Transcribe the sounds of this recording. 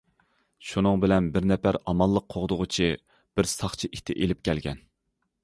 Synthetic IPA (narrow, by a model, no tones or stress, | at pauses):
ʃunɨŋbɪlɛnbɪɾnɛpæɾɑmɑlˠːəqʰoʁd̪ʊʁʊt͡ʃʰi | b̥ɪɾsɑχt͡ʃʰiʔit̪ʰɪʔelɪp̚kʲʰɛlɡʲɛ̰n